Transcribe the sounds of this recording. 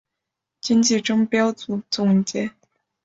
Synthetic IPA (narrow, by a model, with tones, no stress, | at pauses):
t͡ɕi˥nt͡ɕi˥˩ʈ͡ʂɤ˥ŋpjɑ˥ʊt͡su˨˩t͡sʊ˨˩ŋ˨˩ŋt͡ɕjɛ˥